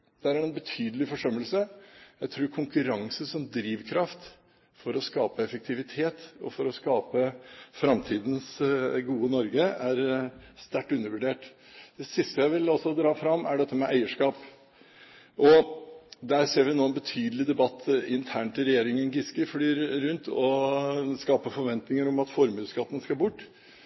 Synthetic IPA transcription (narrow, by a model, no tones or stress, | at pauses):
d̪̥æɾæɾɛnbət̪ʰyːd̪əlɪfɔʂœmːəlsəjæɪt̪ʰɾuːɾkʰʊŋkʉɾɑŋsəsɔmd̪ɾiːʋkʰɾɑft̪ | fɔɾɔskɑːpəɛfək̚t̪ʰɪʋɪt̪ʰeːt̪ɔ̰fɔɾɔskɑːpəfɾɑmt̪ʰiːd̪n̩sɡuːənɔɾɡəæɾst̪æʈːʉnːəɾʋʉɖeːʈ | d̪̥ɛsɪst̪əjæɪʋɪlɔsɔd̪ɾɑːfɾɑmːæɖɛt̪ːəmɛʔæɪəʂkɑːp | ʔɔ | d̪æɾseːɾʋɪnoːɛnbət̪ʰyːd̪əl̩ɪd̪ɛbɑt̪ːɪnt̪ʰæːɳʈ̪ɪlɾɛjeːɾɪŋənɡɪskəflyːɾɾʉnt̪ʰɔ | skɑːpəfɔɾʋɛnt̪nɪŋəɾɔmɑt̪fɔɾmʉːskɑt̪ːn̩skɑbʊʈː